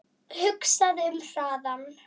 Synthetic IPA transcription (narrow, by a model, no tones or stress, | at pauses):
hʏksaðʏmθaːðan